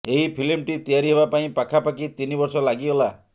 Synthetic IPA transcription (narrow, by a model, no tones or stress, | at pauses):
eɦipʰilimʈit̪ijaɾiɦeβapaĩpakʰapakit̪inibɔɾsɔlaɡiɔla